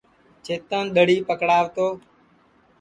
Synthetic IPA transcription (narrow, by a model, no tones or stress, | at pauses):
t͡ʃʰeːt̪ənɗ̪əɽ̤iːpəkɽaːʋt̪oː